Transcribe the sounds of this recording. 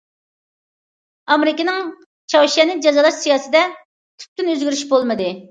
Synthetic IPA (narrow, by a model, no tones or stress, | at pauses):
ɑmɾɪkʲinɪŋ | t͡ʃʰɑwʃɛnɪd͡ʒɑzɑlˠɑʃsijɑːsɨd̪ɛ | t̪ʰy̥p̚t̪ynøzɡʲyɾyʃbolˠmɨd̪ɨ